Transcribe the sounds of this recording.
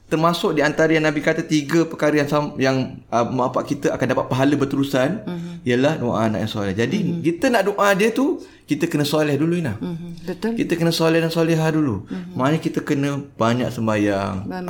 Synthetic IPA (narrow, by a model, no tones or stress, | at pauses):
t̪ərmasʊk̚diant̪aɾəjanabikat̪ət̪iɡəpəkaɾəjaŋsamjaŋ | əməapaʔkit̪əʔakandapat̪̚paɦaləbərt̪əɾusaniəlahdoʔa̰naʔjaŋsolɛhd͡ʒadikit̪ənaʔdoʔadiət̪u | kit̪əkənə̃solɛhduluinlahəkit̪əkənə̃solɛhdaŋsolɛɦadulumanə̃kit̪əkənə̃b̥aɲa̰ʔsəmbajaŋ